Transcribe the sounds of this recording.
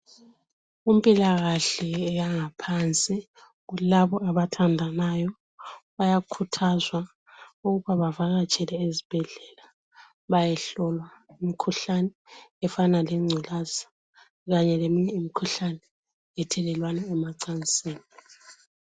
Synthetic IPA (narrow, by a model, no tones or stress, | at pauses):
umpʼilaɣaɬɛːjaŋapʰant͡sʼi | ɣulaβɔaβatʰandʱanajɔ | βajakʰutʰazwa | uɣuβaβavaɣat͡ʃʼɛlɛezib̥ʱɛɮɛla | βajɛɬɔlwaimikʰuɬanɛɛfanaleŋ͡ǀʱilasḁ | ɣaɲɛlemiɲɛimikʰuɬanɛ | ɛtʰɛlɛlwanɛɛmaǀant͡sʼiːli